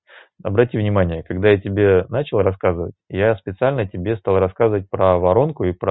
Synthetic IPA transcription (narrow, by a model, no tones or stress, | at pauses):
ɐ̰bɾɐtʲivnʲɪmanʲɪjəkɐɡd̪ajatʲɪbʲe̞nat͡ɕɪlˠrɐskazɨvə̰tʲjaspʲɪt̪sɨalʲnətʲɪbʲe̞st̪ɑlˠrɐskazəvət̚ʲpɾəvɐɾo̞nkʊipɾə